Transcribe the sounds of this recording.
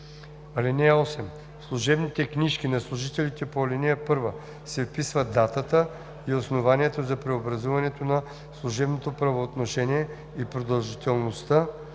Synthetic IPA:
ɐlɛnɛɔsɛm | slˠuʒɛbnit̪ɛkniʃk̟inɐslˠuʒit̪ɛlit̪ɛpoɐlɛnɛəpɤɾvə | sɛfpisvɐd̪at̪ət̪ə | iosnovaniɛt̪ozɐpɾɛobɾɐzuvɐnɛt̪onɐ | slˠuʒɛbnot̪opɾɐvoːt̪noʃɛniɛ | ipɾod̪ɐlˠʒit̪ɛlˠnost̪a

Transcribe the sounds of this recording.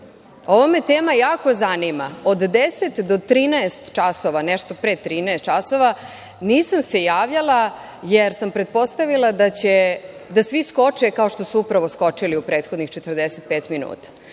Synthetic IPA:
o̞ʋomet̪eːmajaːko̞zanimaod̪d̪eset̪d̪ot̪ɾiːnaest̪t͡ʃasoʋanɛʃt̪o̞pɾet̪ɾiːnaest̪t͡ʃasoʋa | niːsamsejaːʋʎalˠa | jeɾsampɾet̪̚po̞st̪aʋilˠad̪at͡ɕed̪asʋisko̞t͡ʂekaoʃt̪o̞suupɾaʋo̞sko̞t͡ʂiliupɾeːt̪xod̪nixt͡ʃet̪ərd̪eset̪̚peːt̪minṵːt̪ḁ

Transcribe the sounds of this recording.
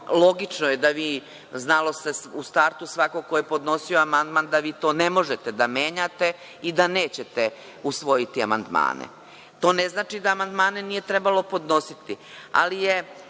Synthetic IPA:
lo̞ɡit͡ʂnojed̪aʋiː | znalo̞st̪esust̪aɾt̪usʋakokojepo̞d̪no̞sioamand̪mand̪aʋiːt̪o̞ːne̞mo̞ʒet̪ed̪ameːɲat̪e̞ | id̪ane̞ːt͡ɕet̪e | usʋo̞jit̪ia̰ma̰nd̪ma̰ːnḛ | t̪o̞ːneznaːt͡ʃid̪aːmand̪maːnenije̞t̪ɾebalˠo̞po̞d̪no̞sit̪i | a̰lije

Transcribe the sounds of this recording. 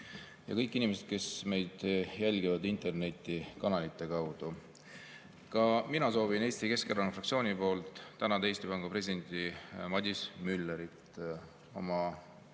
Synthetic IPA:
jɑ̰kɤjkːˑinʲimes̬ed̪̥̚ke̞sme̞jd̪̥jælʲɡivɑd̪int̪e̞rne̞t̪ʲˑːikɑnɑlit̪ːˑe̞kɑwd̪̥u | kɑminɑso̞ːvine̞ːst̪ike̞skerɑnufrɑkt̪sio̞ːnʲipo̞ːlt̪ˑːænɑd̪eeːst̪ipɑŋɡ̥upresid̪̥e̞nt̪imɑd̪ʲismylːeɾit̪ | o̰mɑ

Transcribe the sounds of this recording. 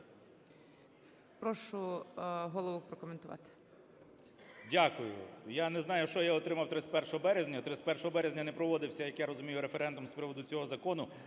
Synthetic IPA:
pɾɔʃʊɦɔlˠɔʋʊpɾɔkɔment̪ʊʋɑ̰t̪ɪ̥ | dʲakʊjʊ̰janɛznɑjʊʃt͡ʃɔjaɔt̪ɾɪmɐwt̪ɾɪsʲpɛrʃɔɦɔbɛɾezʲnʲɐt̪ɾɪsʲpɛrʃɔɦɔbɛɾezʲnʲɐnɛpɾɔʋɔd̪ɪwsʲɐjɐkjaɾɔzʊmʲijʊɾefeɾɛnd̪ʊmspɾɪʋɔd̪ʊt͡sʲɔɦɔzɐkɔnʊ

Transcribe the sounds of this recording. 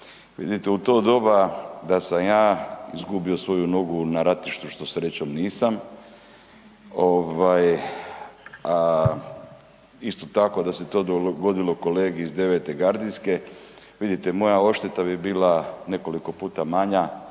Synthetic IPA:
ʋḭd̪it̪eut̪o̞ːd̪o̞bad̪asamjaːḭzɡubiosʋo̞juno̞ɡunaɾat̪iʃt̪uʃt̪o̞sɾet͡ɕomniːsam | o̞ʋaj | a | ist̪o̞t̪ako̞d̪ase̞t̪o̞ːd̪oɡo̞d̪ilo̞ko̞le̞ːɡiizd̪e̞ʋe̞t̪e̞ɡaɾd̪iske̞ | ʋid̪it̪emo̞jao̞ʃt̪et̪abibiːlane̞ko̞liko̞puːt̪amaɲa

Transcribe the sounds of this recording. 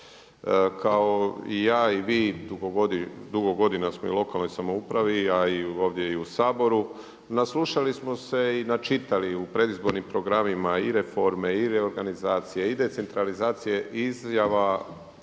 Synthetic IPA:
kʰaoijaːiʋiːd̪uɡoɡod̪d̪uɡoɡo̞d̪inasmo̞ilˠo̞kalˠno̞jsamoupɾaʋiaio̞ːʋd̪je̞iusaːbo̞ɾu | nasluʃalismo̞se̞inat͡ʃit̪aliupɾe̞d̪izbo̞ɾnimpɾo̞ɡɾamimaiɾe̞fo̞ɾme̞iɾe̞o̞ɾɡanizaːt̪sije̞id̪e̞t̪se̞nt̪ɾalizaːt̪sije̞ʔizjaʋa

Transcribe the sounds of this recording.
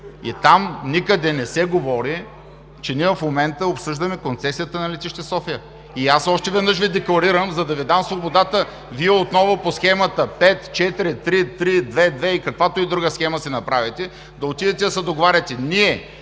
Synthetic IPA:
ḭt̪amnikəd̪ɛnɛsɛɡovɔɾi | t͡ʃɛniɛvɐfmomɛnt̪əopsɤʒd̪ɐmɛkont̪sɛsijət̪ənɐlɛt̪iʃt̪ɛsɔfijə | iasɔʃt̪ɛvɛd̪nɤʃ̬vid̪ɛklˠɐɾiɾəmzɐd̪ɐvid̪amsvobod̪at̪ə | viɛot̪nɔvoposxɛmɐt̪əpɛt̪t͡ʃɛt̪iɾit̪ɾit̪ɾid̪vɛd̪vɛikɐkvat̪oid̪ɾuɡəsxɛmɐsɛnɐpɾavɛt̪ɛ | d̪ɐot̪id̪ɛt̪ɛsɐd̪oɡovaɾʲɛt̪ɛniɛ

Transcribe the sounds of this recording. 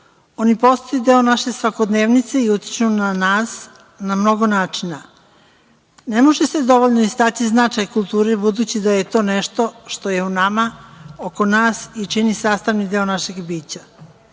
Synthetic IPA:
o̞nipo̞st̪oid̪eo̞naʃe̞sʋako̞d̪neːʋnit̪se̞iut̪i̥t͡ʃunanaːs | namno̞ɡo̞naːt͡ʃina | ne̞mo̞ʒese̞d̪o̞ʋo̞ʎnoist̪at̪iznat͡ʃajkulˠt̪uːɾebud̪uːt͡ɕid̪aje̞t̪o̞ːne̞ʃt̪o̞ʃt̪o̞je̞unamaoko̞naːsit͡ʃinisaːst̪aʋnid̪eonaʃe̞ɡbiːt͡ɕa

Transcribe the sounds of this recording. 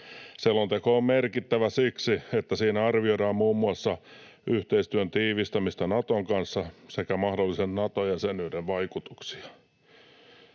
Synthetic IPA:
selːont̪ekoːmmerkit̪ːæʋæsiksiet̪ːæsiːnæɑrʋioɾɑːmmuːmːuɑsːɑ | ʔyht̪eist̪yønt̪iːʋist̪ɑmist̪ɑnɑt̪oŋkɑnsːɑsekæmɑhdolːisennɑt̪ojjɑsenyːdeʋʋɑikut̪u̥ksi̥ɑ̥

